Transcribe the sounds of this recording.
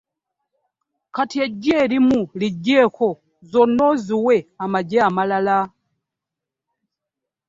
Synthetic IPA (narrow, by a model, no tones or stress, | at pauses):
kʰatʰiɛd͡ʒɛɾimulid͡ʒɛkʰɔ | zɔnɔziwɛamad͡ʒɛamalala